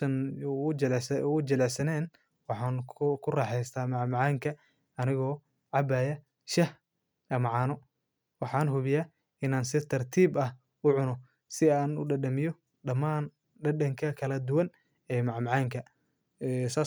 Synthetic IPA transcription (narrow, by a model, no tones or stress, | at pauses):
ɐn | sd͡ʒɐlɛsɐnɛːn | wɑħɑːŋkʰʊrɑːħɛjst̪ʰaːmɑʕmɑʕɑːŋkʰɐ | ɐnɪɣɔː | ʕɑbaːjɐ | ʃɐh | ɐmɑʕɑːnɔ | wɑħɑːnɦʊβɪjaː | ʔɪnaːnsɪt̪ʰɐrt̪ʰiːbɐh | ʊʕʊnɔ | sɪaːnʊɖɐɖɐmɪjɔ | ɖɐmaːn | ɖɐɖɐŋkʰɐkʰɐlɐd̪ʊwɐn | ɛːmɑʕmɑʕɑːŋkʰɐ | ɛsaː